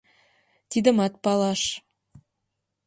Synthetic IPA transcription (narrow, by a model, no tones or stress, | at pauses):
t̪id̪ə̆mɑt̪̚pɑlˠɑʃ